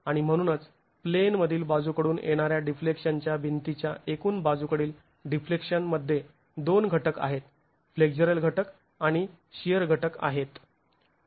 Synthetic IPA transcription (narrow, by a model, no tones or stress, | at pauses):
aɽ̃im̤əɽ̃unət͡s | plenməd̪ʱiːlbad͡zukəɽuːnjḛɽ̃aɾjaɖiflekʂəɲt͡ɕjabint̪it͡ɕjaʔekuːnbad͡zukəɽiːl | ɖiflekʂənməd̪ʱːje | d̪onɡʱəʈəka̰ɦet̪̚ | fleɡd͡ʑəɾəlɡʱəʈək | aɽ̃i | ɕijəɾɡʱəʈəka̰ɦet̪